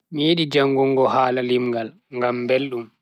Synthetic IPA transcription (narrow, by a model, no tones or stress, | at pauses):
mijeɗid͡ʒaŋɡɔŋɡɔhaːlalimɡal | ŋɡamːbelɗum